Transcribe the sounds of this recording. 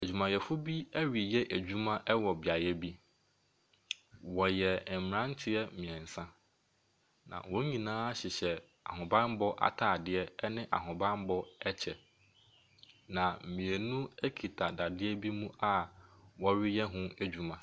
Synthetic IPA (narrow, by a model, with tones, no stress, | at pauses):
æ˨d͡ʑᶣu˨mã˨jɛ˨fʊ˦bi˦æ˦ɥi˨jɛ˦ʔæ˨d͡ʑᶣu˦mã˦ʔɛ˦wɔ˨bɪ˨a˨jɛ˦bi˦ | wɔ˨jɛ˨m̩m˨ɾã˦n̩˦t͡ɕʰɪ˦ɛ˦mɪ̃˨ɛ̃˨n̩˨sã˦ | nã̰˨wɔ̃˦ɲĩ˨nãː˦a˦ɕɪ˨ɕɛ˨ | a̰˨ɦʊ̃˨bã˦m˦bɔ˦ʔa̰˨tʰaː˨dɪ˦ɛ˦ɛ˦nɪ̃˦ʔa̰˨ɦʊ̃˨bã˦m˦bɔ˦ɛ˦t͡ɕʰɛ˨ | nã˨m̩˨mĩ˨e˨nũ˦æ˦kʰi˨tʰa˨da˨dɪ˦ɛ˦bi˦mũ˦ʔa˦wɔ˦ɥɪ˦jɛ˦ɦʊ̃˦æ˦d͡ʑᶣu˦mã˨